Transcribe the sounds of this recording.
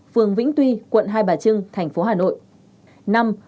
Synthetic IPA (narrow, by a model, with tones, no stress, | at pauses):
fɨ˨˩əŋvḭ˧˥ŋ̟t̪wi˧kwə̰˧˨nɦaː˧jɓaː˨˩t͡ɕɨ˧ŋt̪ʰɛ˨˩jŋ̟fo˨˦ɦaː˨˩no̰˧˨jʔ | na˧m